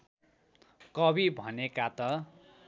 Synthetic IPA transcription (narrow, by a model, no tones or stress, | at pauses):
kʌbibʱʌnekat̪ʌ